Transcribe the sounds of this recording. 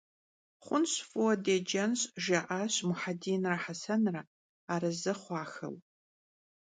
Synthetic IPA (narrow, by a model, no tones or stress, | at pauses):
χʷʊnɕfʼɨwɐdeːd͡ʒɐnɕʼʒaʔaːɕmʊħadiːnraħasɐnra | aːɾɐzɨχʷɑːxɐ̰w